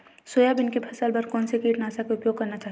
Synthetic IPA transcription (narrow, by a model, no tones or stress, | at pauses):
soːjabɪnkepʰɐsaːlbɐɾkɔːnsekiːʈnaːsakeʊpjoːɡ̚kɐɾnat͡ʃaːɦ